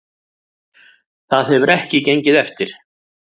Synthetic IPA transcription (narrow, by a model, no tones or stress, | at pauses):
θaðhɛvʏɾʔɛhcɪcejɲcɪðɛft̪ɪɾ̥